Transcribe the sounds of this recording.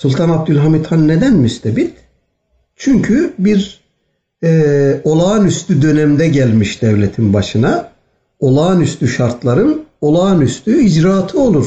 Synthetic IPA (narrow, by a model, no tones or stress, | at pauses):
sulʲˠt̪ʰanab̚d̪ylʲɦamit̪ʰhanːed̪ænmyst̪ʰɛbit̪ | t͡ʃʰyɲcʰybiɾ | ɛo̞lˠaːnyst̪yd̪ø̞nɛmd̪ɛɟælʲmiʃd̪ɛvlʲet̪ʰinbaʃɯna | o̞lˠaːnyst̪ʰyʃaɾt̪ʰlˠaɾɯno̞lˠaːnyst̪ʰyid͡ʒɾaːt̪ʰɯo̞lˠuɾ̥